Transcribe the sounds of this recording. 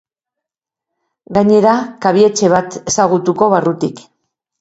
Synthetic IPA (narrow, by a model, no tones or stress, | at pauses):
ɡaɲe̞ɾakaβ̞ie̞t͡ʃe̞β̞at̪e̞saɣ̞ut̪uko̞βarut̪ik